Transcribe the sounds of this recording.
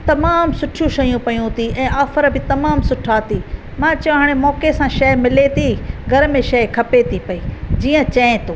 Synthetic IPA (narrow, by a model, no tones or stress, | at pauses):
t̪ɐmaːmsʊʈʰjũʃɐjũpɐjũt̪ʰiɛ̃ːaːfəɾbɪt̪ɐmaːmsʊʈʰaːt̪i | mãːt͡ɕɦaːɽ̃emɔːkesãʃɐɪmɪlet̪ʰiɡʱɐɾmẽʃɐɪkʰɐpet̪ʰipɐiːd͡ʑiːə̃t͡ɕɐ̃ːẽt̪ʰoː